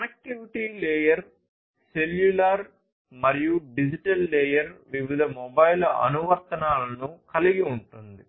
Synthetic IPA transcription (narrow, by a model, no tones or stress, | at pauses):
ɐnɐk̚ʈːuʋiʈiːlɛːjɐɾ | seljulaːɾ | mɐɾijuɖid͡ʒiʈɐlːɛːjɐɾʋiʋid̪ʱɐmɔbɐjlɐɐ̰nuʋɐɾt̪ɐnaːlɐnukɐliɡiuɳʈund̪i